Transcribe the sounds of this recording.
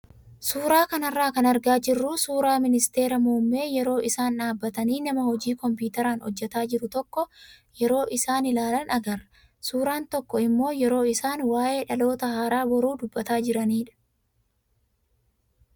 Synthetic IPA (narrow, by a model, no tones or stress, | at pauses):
suːɾaːkɐnɐrːaːkɐnɐɾɡaːd͡ʒɪrːuːsuːɾaːmɪnɪst̪e̞ːɾɐmuːmːe̞ːjɛɾo̞ːʔɪsaːnᶑaːbːɐt̪ɐniːnɐmɐhɔd͡ʒiːkɔmpuːt̪ɐɾaːnhɔ̰d͡ʒːɛt̪aːd͡ʒɪɾʊt̪ɔkːɔ | jɛɾo̞ːʔɪsaːnɪlaːlɐnʔɐɡɐɾ | suːɾaːnt̪ɔkːɔɪmːo̞ːjɛɾo̞ːɪsaːnwaːʔe̞ːᶑɐlo̞ːt̪ɐhaːɾaːbɔɾuːd̪ʊbːɐt̪aːd͡ʒɪɾɐniːᶑɐ̥